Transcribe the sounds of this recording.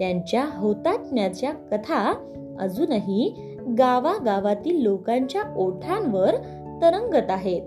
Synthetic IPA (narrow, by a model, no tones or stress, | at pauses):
t̪jaɲt͡ɕjaɦot̪at̪̚mjat͡ɕjakət̪ʰa | ə̰d͡zuːnaɦi | ɡaʋaɡaʋat̪iːlːokãɲt͡ɕjaʔoʈʰãnʋəɾ | t̪əɾəŋɡət̪aɦet̪